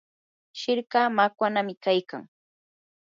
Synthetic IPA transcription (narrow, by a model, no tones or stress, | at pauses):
ʃɪɾkaːmakwanamɪkajka̰ŋ